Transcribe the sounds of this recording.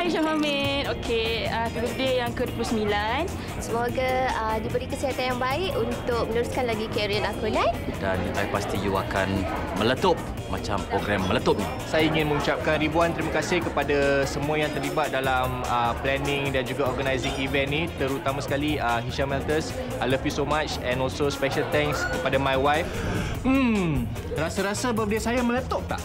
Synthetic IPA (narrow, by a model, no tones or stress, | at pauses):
haiʃaɦamɛnokʰeakəbədəjaŋkəduoəplusəmilan | səmoɡaədibəɾikəsiɦat̪anjaŋbaɪʔunt̪ʊk̚məluɾuskanlaɡikɛɾiəlakunãnda̰na̰jpast̪ijua̰kan | mələt̪ʊp̚ | ma̰t͡ʃa̰mpɾoɡɾamːələt̪əp̚ni | sajaiŋɪnmə̃ŋut͡ʃap̚kanɾibuant̪əɾimakasɪhkəpadasəmũajãŋt̪ərlibat̪̚dalam | əplɛnɪ̃ŋdand͡ʒuɡaɔrɡanajzɪŋivɛnːit̪əɾut̪amasə̥kaliəɦiʃamɛlt̪əs | ajləvjusomat͡ʃɛ̃nɔlsospɛʃəlt̪ɛ̃ŋkskəpadamajwajfm̩ | rasaɾasabadəsajamə̃lət̪ɔp̚t̪a̰ʔ